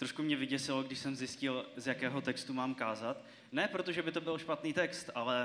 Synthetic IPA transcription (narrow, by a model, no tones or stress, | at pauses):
t̪ɾoʃkumɲɛvɪɟɛsɪloɡdɪʃsɛmzjɪscɪlzjakɛːɦo̞t̪ɛkst̪umaːmkaːzat̪ | nɛpɾo̞t̪o̞ʒɛbɪt̪o̞bɪlʃpat̪niːt̪ɛkst̪ʔalɛ